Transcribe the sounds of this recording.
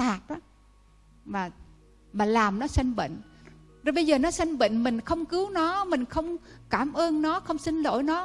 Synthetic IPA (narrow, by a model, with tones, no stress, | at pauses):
aː˨˩t̚ɗɔ˨˦ | vaː˨˩ | vaː˨˩laː˨˩mnɔ˨˦si˧ŋɓə̰˧˨ŋ̟ | zɔ˨˧˩ɓə˧jzəː˨˩nɔ˨˦si˧ŋɓə̰˧˨ŋ̟mï˨˩ŋ̟xə˧wŋ͡mkɨ˨˦əwnɔ˨˦mï˨˩ŋ̟xə˧wŋ͡mkaː˧˩mʔəː˧nnɔ˨˦xə˧wŋ͡msï˧ŋ̟lo̰˧˩˨jnɔ˨˦